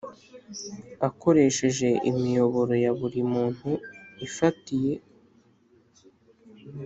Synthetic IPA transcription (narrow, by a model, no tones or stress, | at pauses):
ako̞ɾe̞ʃe̞ʒe̞ʔḭmijo̞βo̞ɾo̞jaβuɾimuːn̥huifatije̞